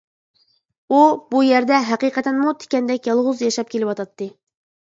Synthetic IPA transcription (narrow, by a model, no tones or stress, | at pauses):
ubujɛɾd̪ɛɦæqiqʰɛt̪ɛnmut̪ʰe̥kʲɛnd̪ɛkʲjɑlˠʁʊzjɑʃɑp̚kʲʰelɪwɑt̪ɑt̪ʰːɨ